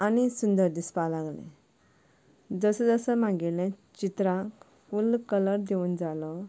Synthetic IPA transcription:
anisund̪əɾd̪ispalaɡlḛ̃ | d͡zəsəd͡zəsəmãɡillɛ̃t͡ɕit̪ɾãk | fulkələɾd̪euːnd͡zalɔ

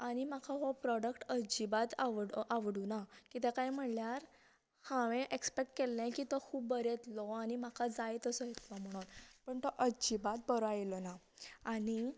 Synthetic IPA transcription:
añim̤akʰaɦɔpɾɔɽəkʈəd͡ʑibat̪aʋɽaʋɽunakit̪ɛkajm̤əɳljaɾ | hãʋẽʔekspek̚ʈkelːɛ̃kit̪ɔkʰuːbːəɾɛt̪lɔanimakʰad͡zajt̪əsɔjet̪lɔm̤əɽ̃uːnpəɳt̪ɔʔəd͡ʑibat̪̚bəɾajlɔna | ani

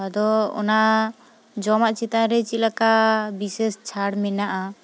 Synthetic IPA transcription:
d̪ɔɔ̰na | d͡ʒɔmaʔt͡ʃit̪aɾɛt͡ʃilakabisɛst͡ʃʰaɽmɛnaʔa

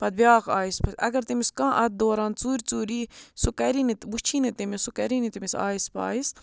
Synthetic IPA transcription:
pɐd̪̚bjaːɣaːispʰɐsɐ̰ɡɐɾt̪imiskãːʔɐt̪̚d̪oːɾaːnt͡suːɾʲt͡suːɾiːsukɐɾinit̪but͡ʃʰinit̪imisukɐɾinit̪imisa̰ːispa̰ːis

